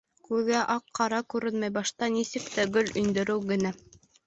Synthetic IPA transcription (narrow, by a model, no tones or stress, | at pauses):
kʉðɡæʔɑqːɑɾɑkʉɾɘnmæjbɑʃt̪ɑnisɘk̚t̪æɡɵlɵ̆nd̪ɵ̆ɾɘwɡɘ̆næ